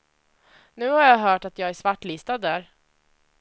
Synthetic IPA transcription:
nʉ̟ːhaɾjɑːɦœːʈat̪jɑːɡæʂvaʈːliːst̪ad̪ːæːɾ

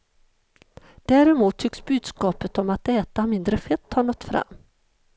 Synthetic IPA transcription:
d̪̥æːɾɛmuːt̪ʰːʏksbʉ̟ːd̪skɑːpət̪ɔmat̪ɛːt̪amɪnd̪ɾəfɛt̪ʰːɑːɳɔt̪ːfɾa̰mː

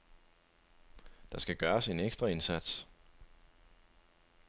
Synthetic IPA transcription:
d̥ɑ̈sɡ̥æɡ̥ɶːɐse̝neɡ̥sd̥ʁɐe̝nsæd̥s

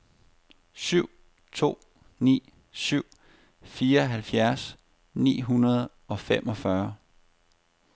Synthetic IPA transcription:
syʊ̰ | t͡sʰo̝̰ː | nḭː | syʊ̰ | fiːɐɦælfjæɐs | nḭːɦunɐð̩ˠ | ɒ̽femʔɒ̽fɶɐ

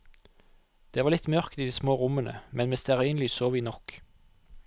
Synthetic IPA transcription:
d̪̥eːʋɑːʁlɪt̪mœʁkt̪iːd̪iːsmoːʁʊmənə̰mɛnmɛst̪ɛʁiːnlɪsoːʋiːnɔk

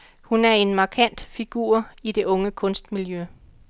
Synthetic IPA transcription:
hunæɐe̝nmɑ̈kʰæn̰d̥fiɡ̥ṵːɐ̰id̥e̝ʔɔ̽ŋəkʰɔ̽nsd̥miljø

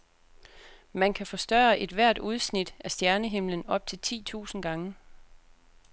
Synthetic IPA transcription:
mænkʰæfɒ̽sd̥ɶːɐʔe̝d̥ʋæɐ̰d̥uð̞ˠsnid̥æsd̥jæɐnəɦe̝m̰lənɒ̽b̥̚t͡sʰe̝lt͡sʰḭːt͡sʰṵːsn̩ɡ̥ɑ̈ŋə

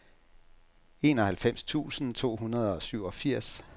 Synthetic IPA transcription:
e̝ːnɒ̽hælfem̰st͡sʰṵːsn̩t͡sʰo̝̰ːɦunɐð̞ˠɒ̽syʊ̰ɒ̽fiɐ̰s

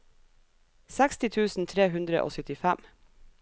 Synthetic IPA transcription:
sækst̪ɪt̪ʰʉːsn̩t̪ʰɾeːhʉnd̪ɾəʔo̰ːsœt̪ɪfæm

